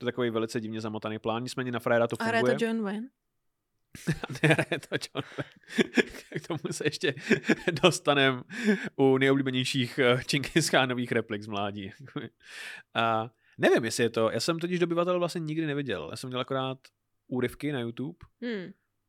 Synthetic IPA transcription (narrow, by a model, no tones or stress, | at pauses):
oɛt̪akovejvɛlɪt͡sɛɟɪvɲɛzamot̪anejplaːnɲɪt͡smɛːɲɛnafɾaɛɾat̪ofuŋɾaɡjɛujt̪ɛd͡ʒonvɛn | nɛɦɾajɛt̪ʰod͡ʒonvɛjn | kt̪ʰomusɛjɛʃcɛdo̞st̪anɛmʔunɛjobliːbɛɲɛjʃiːxt͡ʃɪŋkʰejskaːnoviːxɾɛplɪɡzmlaːɟiːjakobɪ | ʔa | nɛvɪmjɛsɪjɛt̪o̞ja̰ːsɛmt̪ocɪʒdoobɪvat̪ɛlɛvlasɲɛɲɪɡdɪnɛvɪɟɛ̰lja̰ːsɛmɲɛlˠakoɾaːt̪ | uːɾɪfkɪnajut̪uːp̩